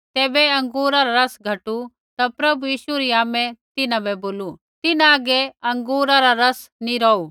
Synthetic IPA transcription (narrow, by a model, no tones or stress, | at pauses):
t̪eːbɛɐ̃ŋɡuːɾaɾaɾɐsɡʱɐʈu | t̪apɾɐbujiːʃuɾiaːmɛ̃t̪ɪnãbɛboːlu | t̪ɪnãːɡɛɐ̃ŋɡuːɾaɾaɾɐsnĩɾɔːu